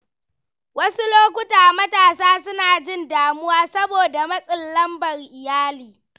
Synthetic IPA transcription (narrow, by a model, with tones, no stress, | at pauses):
wɐ˦su˦loː˦kʷʊ˦taː˨mɐ˦taː˨saː˦sʊ˦naː˨d͡ʒɪ˦ndaː˨mʊ˦waː˦sɐ˦boː˨da˨mɐ˦sʼɪ˨nlɐ˦mbɐ˨rʔɪ˨jaː˦liː˨